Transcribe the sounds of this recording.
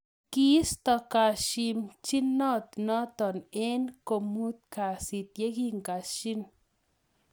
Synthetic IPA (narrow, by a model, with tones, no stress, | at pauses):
ki˦st̪ɔ˧ka˨ʃi˧mt͡ʃi˦nɔ˦˨t̪̚nɔ˦t̪ɔ˨ne˦nko˨mu˦t̪̚ka˨si˨t̪̚je˦ki˦ŋɡa˨ʃi˦n